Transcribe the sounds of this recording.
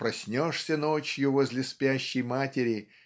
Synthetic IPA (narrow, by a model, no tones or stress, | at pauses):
pɾɐsʲnʲoʂsʲənot͡ɕjʊvozʲlʲɪspʲaɕːɪjmatʲɪɾʲɪ